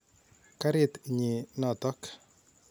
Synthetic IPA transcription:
ka˦ɾɪ˦˨t̪ɲi˨nɔ˨t̪ɔ˦k

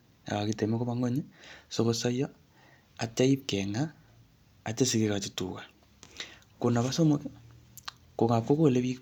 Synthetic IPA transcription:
a̰˨βa˨ɣite˨me˦ko˦βa˦ŋo˦ɲiso˦ɣo˨sa˦ja˦ | a˨t͡ʃa˦i˦keŋaː˦˨ | t͡ʃe˦sike˦ɣa˨t͡ʃi˨tṵ˨ɣa˨ | ko˨na˨βa˦so˦moke | ko˨ŋa˨ko˦ɣo˦le˦βi˦

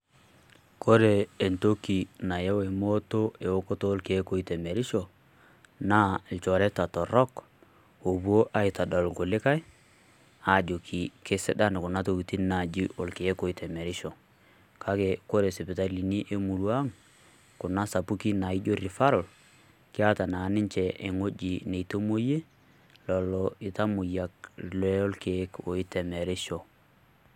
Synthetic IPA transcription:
ko˦ɾeː˨nto˦kːi˨na˨je˦we˨mo˦to˦e˨wo˦ko˦to˦o˦lki˨e˦ko˦i˦te˨me˨ɾi˦ʃo˨ | na˦˨lt͡ʃɔ˨ɾɛ˦ta˨tɔ˨ɾɔ˦k | o˨bu˦o˦ʔa˦i˨ta˨dɔ˨lɡo˨lɪ˦ka˦j | a˨d͡ʒo˨kʰi˨ke˦sɛ˦ɗa˦n˨ku˨na˦to˨ki˨ti˦na˨d͡ʒi˦ʔo˨lki˨je˦ko˨˦i˦tɛ˨me˨ɾi˦ʃo˨ | ka˦ke˨ko˦ɾe˨si˨pi˨ta˦li˨ni˦ʔe˦mu˨lu˦a˦ŋ | ku˨na˦sa˨pu˦ki˦na˨i˦d͡ʒo˦ɾi˨fa˦ɾɔ˨l | kɪ˦a˦ta˨na˨˦nɪ˦ɲt͡ʃɛ˨ʔe˨ŋo˦d͡ʒi˨ne˨to˦mo˦je˦ | lɔ˨lɔɪ˨ta˦mu˨ja˨k̚lɛ˦o˦lke˨˦ko˨i˦tɛ˨mɛ˨ɾɛ˦ʃo˨

